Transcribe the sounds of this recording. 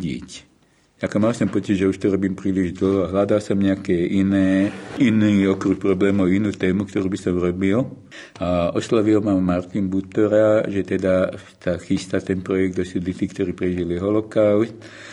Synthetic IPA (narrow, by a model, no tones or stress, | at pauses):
ḭc | akɔmalsɔmpɔt͡siɟʒɛuʃt̪ɔɾɔbiːmpɾiːliʒd̪l̩ɦɔaɦlad̪alsɔmɲɛakɛʔinɛːiniːɔkɾuk̚pɾɔblɛːmɔinuːt̪ɛːmuk̚t̪ɔɾuːbisɔmuɾɔbil | aɔslɔʋilmamaɾt̪inbut̪ɔɾaʒɛt̪ɛd̪a | saxist̪at̪ɛnpɾɔjɛɡ̚d̪ɔsud̪it̪iːkt̪ɔɾiːpɾɛʒiliɦɔlɔkaʊst̪